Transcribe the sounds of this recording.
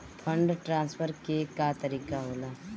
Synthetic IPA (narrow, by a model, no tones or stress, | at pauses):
pʰə̃ɳɖʈɾãːnspʰəɾkekat̪əɾiːkaɦoːlaː